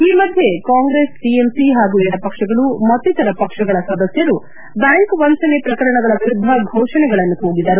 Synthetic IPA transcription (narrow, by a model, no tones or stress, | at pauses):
iːmɐd̪ʱje̞kaːŋɡɾeːsʈiemsiɦaːɡuɛɽɐpɐkʂɐɡɐɭumɐt̪ːit̪ɐɾɐpɐkʂɐɡɐɭɐsɐd̪ɐsjɐɾu | b̪aːjkʋɐnsɐnepɾɐkɐɾɐɳɐɡɐɭɐʋiɾud̪ʱːɐɡʱoːʂɐɳɛɡɐɭɐnːuɦoːɡid̪ɐɾu